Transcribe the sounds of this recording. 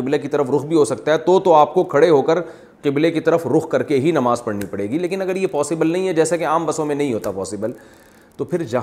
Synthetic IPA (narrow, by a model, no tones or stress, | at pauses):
ɪblekit̪ɐɾəfɾʊxbʱiɦosɐk̚t̪aɦɛt̪ot̪oaːp̚kokʰɐɽeɦoːkəɾ | qɪblekit̪ɐɾəfɾʊxkɐɾkeɦinɐmaːzpɐɽnipɐɽeːɡileːkɪnɐɡəɾjepɔːsɪbəlnɐɦĩɦɛd͡ʒɛːsekeaːmbɐsõmẽnɐɦĩɦoːt̪apɔːsɪbəl | t̪opʰɪɾd͡ʒɐ